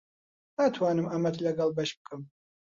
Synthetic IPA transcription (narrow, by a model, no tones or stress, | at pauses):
aːt̪ʰwaːnɨmamɐt̪ʰlɐɡɐlˠbɐʃb̚kʰʼɨm